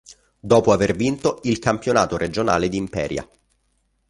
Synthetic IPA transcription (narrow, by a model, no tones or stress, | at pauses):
d̪ɔːpoavervint̪oilkampjona̰ːt̪oɾed͡ʒona̰ːled̪iːmpɛ̰ːɾja̰